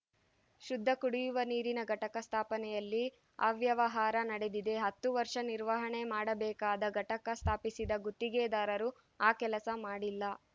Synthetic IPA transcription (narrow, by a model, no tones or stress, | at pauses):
ʃud̪ʱːɐkuɽijuʋɐniːɾinɐɡɐʈɐkɐst̪ʰaːpɐnɛjɐlːi | a̰ːʋjɐʋɐɦaːɾɐnɐɽe̞d̪id̪e̞ɦɐt̪ːuʋɐɾʂɐniɾʋɐɦɐɳemaːɽɐbɛːkaːd̪ɐɡʱɐʈɐkɐst̪ʰaːpisid̪ɐɡut̪ːiɡed̪aːɾɐɾu | aːkɛlɐsɐmaːɽilːɐ